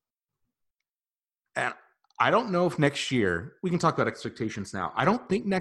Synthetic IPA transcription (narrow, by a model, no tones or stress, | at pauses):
ɨ̃n | aɪɾõʊ̃nːoʊəfnɛkstjɪɹwikɨ̃n̩tʰɔkəbaʊɾɛkspɛk̚tʰeɪʃɨ̃n̩z̥na̰ʊʔa̰ɪɾõʊ̃nθɪ̃ŋk̚nɛ